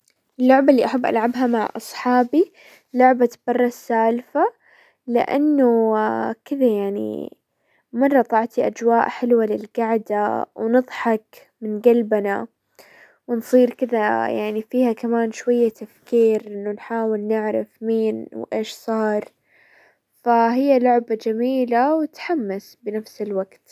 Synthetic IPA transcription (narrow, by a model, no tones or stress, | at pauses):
ɪlːʊʕbalːiːʔaħabːʔa̰lʕabɦamaʕʔɑ̰sˤħɑːbi | lʊʕbat̪bɑrˤːɑsaːlfa | lɪ̰ʔa̰nːʊkɪðajaʕnḭ | mɑrˤːɑt̪ˤɑʕt̪iʔad͡ʒwaːʔħɪlwalɪlɡaʕd̪awnɨðˤħɑk | mɪnɡalbna | wnsˤiːɾkɪðajaʕnifiːhakamaːnʃwajːat̪afkiːɾʔɪnːʊnħaːwɪlnɪʕɾɪ̰fmiːnwʔeːʃsˤɑːɾˤ | faɦɪjːalʊʕbad͡ʒamiːlawɪt̪ħamːasbɪnafsɪlwaɡt̪